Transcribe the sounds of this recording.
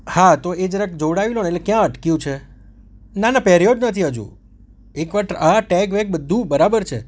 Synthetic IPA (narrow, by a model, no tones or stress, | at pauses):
hat̪oed͡ʒəɾakd͡ʒoɽaʋilonetlekjãəʈkjũt͡ʃʰe | nanapɛɾijod͡ʒnət̪ʰiɦəd͡ʒṵ̃ | ekʋaʈaʈɛkʋɛk̚bəd̪ʱːũbəɾabəɾt͡ʃʰe